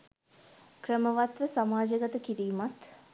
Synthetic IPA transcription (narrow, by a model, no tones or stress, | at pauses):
krəməʋat̪ʋəsamaːd͡ʒəɡət̪əkiɾiːmat̪